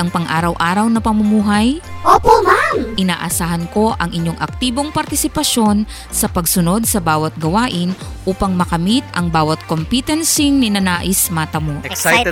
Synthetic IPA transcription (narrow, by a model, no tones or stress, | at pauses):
ɐŋpɐŋʔaːɾɐwʔaːɾɐwnɐpɐmʊmuːɦɐjʔoːpomaʔɪnaːʔɐsaːhɐnko̞ʔɐŋʔɪɲjo̞ŋʔɐk̚t̪iːboŋpɐɾt̪ɪsɪpɐʃo̞n | sɐpɐɡsʊno̞d̪̚sɐbaːwɐt̪̚ɡɐwaːʔɪnʔuːpɐŋmɐkɐmit̪̚ʔɐŋbaːwɐt̪̚kompit̪ɐnsɪŋnɪnɐnaːʔɪsmat̪ɐmoʔs